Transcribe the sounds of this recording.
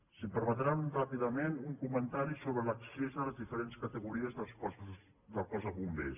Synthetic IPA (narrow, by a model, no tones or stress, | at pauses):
sipəɾmət̪ɾanunrapiðəmenuŋkumənt̪aɾisoβɾələksezðələzðifəɾenskət̪əɣuɾiəzðəlˠspɔss | d̪əlˠkɔzəβumbḛs